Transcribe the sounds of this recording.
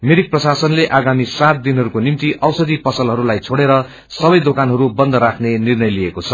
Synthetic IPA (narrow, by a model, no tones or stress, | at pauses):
meɾik̚prʌsasʌnleʔaɡamisat̪̚d̪inɦʌɾukonimt̪iʔʌwsʌd̪ipʌsʌlɦʌɾulajt͡sʰoɽeɾʌ | sʌbʌjd̪okanɦʌɾubʌnd̪ʌɾakʰnenirnʌjliekot͡sʰʌ